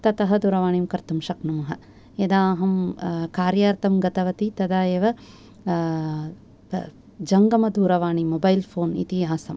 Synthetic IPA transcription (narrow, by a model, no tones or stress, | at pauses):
t̪ɐt̪ɐɦɐd̪uɾɐʋaːɳimkɐɾt̪ɐmʃɐknɐmɐɦɐ | jɐd̪aːɦɐmkaːɾjaːɾt̪ɐmɡɐt̪ɐʋɐt̪it̪ɐd̪aːjeːʋɐ | d͡ʒɐŋɡɐmɐd̪uːɾɐʋaːɳimobɐjlpʰoːnḭt̪iɦaːsɐm